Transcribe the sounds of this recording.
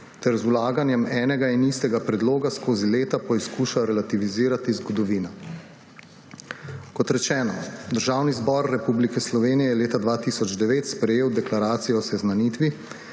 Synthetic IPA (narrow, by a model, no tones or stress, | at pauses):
t̪ɛɾzulaːɡanjɛmɛːnɛɡainist̪ɛɡapɾɛd̪loːɡaskoːzileːt̪apɔiskuːʃawɾɛlat̪iʋiziːɾat̪izɡɔd̪ɔʋiːna | kɔt̪ɾɛt͡ʃɛːnɔd̪əɾʒaːwnizbɔɾːɛpublikɛslɔʋeːnijɛjɛleːt̪ad̪ʋaːt̪isɔd͡ʒd̪ɛʋeːt̪spɾɛjeːwd̪ɛklaɾaːt̪sijɛɔsɛznanit̪ʋi